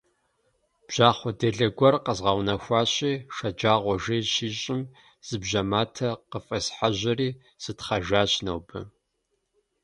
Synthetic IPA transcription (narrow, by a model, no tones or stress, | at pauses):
b̥ʒ̥aːχʷɔdeːɮɐɡʷɔrqəzʁɑwnɐxʷɑːɕʼiːʂɐd͡ʒaːʁʷɔʒeːʃiːɕʼɪm | z̥ɨbʑɐmaːtʰɐqəfʼɐsħaʑʷɐriː | z̥ɨtχɐʒaːɕnɐwbɨ̰